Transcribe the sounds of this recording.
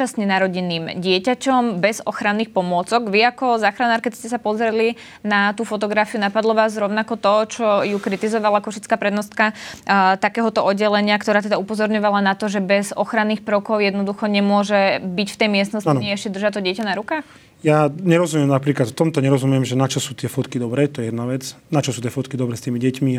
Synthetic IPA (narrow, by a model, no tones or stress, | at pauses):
asɲɛnaɾɔɟiniːmɟɪɛcacɔmbɛzɔxɾanːiːxpɔmʊɔt͡sɔɡʋiakɔzaːxɾanaːɾkɛscɛsapɔzɾɛli | nat̪uːfɔt̪̬ɔɡɾafiunapad̪lɔʋaːzɾɔʊnakɔt̪ɔt͡ʃɔjukɾit̪izɔʋalakɔʃit͡skaːpɾɛd̪nɔst̪̚kat̪akɛːɦɔt̪ɔʔɔdɟːɛlɛɲɪakt̪ɔɾaːt̪ɛd̪aupɔzɔɾɲɔʋalanat̪ɔʒɛbɛzɔxɾanːiːxpɾɔkɔʊjɛd̪nɔd̪uxɔɲɛmʊɔʒɛbicft̪ɛjmɪɛsnɔsanɛɛʃcɛd̪r̩ʒat̪ɔɟɛcanaɾukaːx | jaɲɛɾɔzumɪɛmnapɾiːklat̪t̪ɔmt̪ɔɲɛɾɔzumjɛmʒɛnat͡ʃɔsuːt̪ɪɛfɔt̪kid̪ɔbɾɛːt̪ɔjɛjɛd̪naʋɛt͡snat͡ʃɔsuːt̪ɪɛfɔt̪kid̪ɔbɾɛːst̪iːmiɟɛcmi